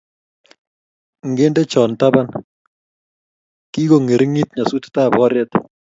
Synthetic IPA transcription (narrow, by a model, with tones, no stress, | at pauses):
ŋɡe˦nde˦t͡ʃɔ˨nta˦ba˦n | ki˦ko˨ŋe˨ɾɪ˦ŋi˦t̚ɲa˨su˦tta˦˨bɔ˦ɾjɛ˦t